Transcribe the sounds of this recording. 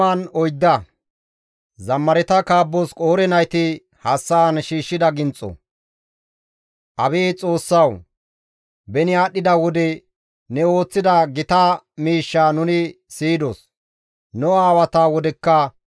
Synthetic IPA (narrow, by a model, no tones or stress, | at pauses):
ɐnɔjd̪ːɐ | zɐmːɐɾɛt̪ɐkaːbːɔskʼoːɾɛnɐjt̪ɪ | hɐsːanʃiːʃːɪd̪ɐɡɪnt͡sʼːɔ̰ | ʔɐbeːt͡sʼo̞ːsːɐw | bɛnɪaːɗːɪd̪ɐwɔd̪ɛ | nɛo̞ːt͡sːɪd̪ɐɡɪt̪ɐ | miːʃːaːnʊnɪ | siːd̪ɔs | nɔaːwɐt̪aːwɔd̪ɛkːɐ